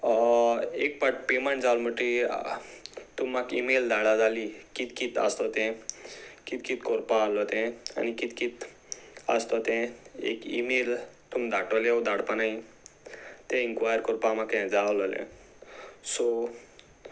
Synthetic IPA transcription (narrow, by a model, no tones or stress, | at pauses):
ek̚paʈpemeɳʈd͡zawlməʈi | t̪umːakimeld̪ʱaɽad͡zalikit̪kit̪a̰st̪ɔt̪ɛ̃ | kit̪kit̪kɔɾpãːlɔt̪ɛ̃a̰nikit̪kit̪ | ə̰st̪ɔt̪ɛ̃ḛkḭmel | t̪umd̪aʈɔled̪ʱaɽpanai | t̪ɛ̃inkʋajəɾkɔɾpãmakɛ̃d͡zalɔlḛ̃ | sɔ